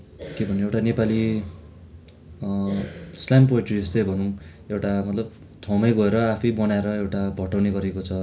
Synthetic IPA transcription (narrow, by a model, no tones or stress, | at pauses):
kebʱʌnẽewʈanepali | slampoʈiest̪ʌjbʱʌnũ | ewʈamʌt̪lʌb | t̪ʰawmʌjɡʌeɾʌapʰʌjbʌnaeɾʌewʈabʱʌʈawneɡʌɾekot͡sʰʌ